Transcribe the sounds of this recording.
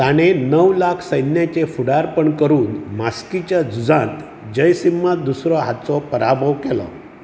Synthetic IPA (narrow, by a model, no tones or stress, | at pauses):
t̪aɽ̃enəʋlakʰsəjnjat͡ɕefuɽaɾpəɳkəɾuːnmaskit͡ɕjad͡zud͡zãt̪ | d͡ʑəjsimːad̪usɾɔɦat̪t͡sɔpəɾabʱəʋkelɔ̰